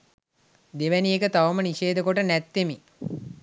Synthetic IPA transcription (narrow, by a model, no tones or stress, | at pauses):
d̪eʋæniekət̪aʋəməniʃeːd̪əkoʈənæt̪ːemi